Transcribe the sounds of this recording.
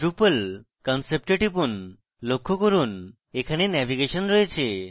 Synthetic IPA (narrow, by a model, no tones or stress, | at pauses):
ʈɾupəl | kɔnsep̚ʈeʈip̬un | lokʰːokɔɾun | ekʰanenɛʋiɡeʃənɾɔɦet͡ʃʰe